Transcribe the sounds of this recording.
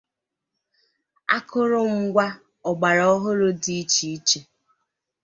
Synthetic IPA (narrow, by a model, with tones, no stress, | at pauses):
a̰˦kʰʊ˦ɾʊ˦ŋ̩˦ɡʷa˦ | ɔ˨ɡ͡ba˨ɾɔ˦ɦʊ˦ɾʊ˦di˨˦t͡ʃi˨i˦t͡ʃe˨